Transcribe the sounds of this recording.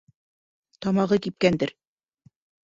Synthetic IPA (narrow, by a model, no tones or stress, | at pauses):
t̪ɑmɑʁɤkip̚kænd̪ɘɾ